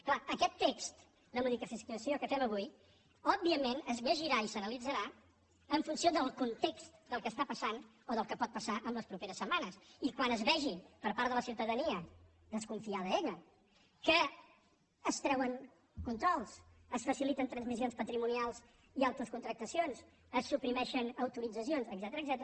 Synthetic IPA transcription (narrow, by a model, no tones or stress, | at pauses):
klaəkɛt̪ːekst̪ | d̪əmuðikəfisəsiokəfɛməβ̞uj | ɔbːiəmenəzβəʒiɾaisənəlid͡zəɾa | əɱfunsioðəlˠkunt̪ekst̪d̪əlˠkəːst̪apəsan | oðəlˠkəpɔt̪̚pəsaʔəmləspɾupeɾəsːəmanəsikwanəzβɛʒipəɾpaɾt̪ələsiwt̪əðəniə | ðəskuɱfiaðəeʎə | kəː | st̪ɾɛwəŋ | kunt̪ɾɔlˠs | əsfəsilit̪ənt̪ɾənzmis̬onspət̪ɾimunialˠz | ialˠt̪ɾəskunt̪ɾək̚t̪əsionz | əsːupɾimɛʃənəwt̪uɾid͡zəsionzəɡzɛt̪əɾəːɡzɛt̪əɾ